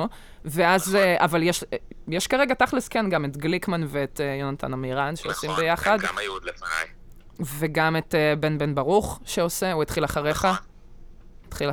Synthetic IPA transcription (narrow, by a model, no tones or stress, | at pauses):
veazeʔavaljɛʃjɛʃkaʁeɡataχliskenɡametɡlikmanveːtejonatʰa̰namiːʁanʃeosimbejaχadɡamajud̪lefana̰j | veɡametebenbenbaʁuχʃeoseuet̪χilaχaʁe̞χa | t̪χila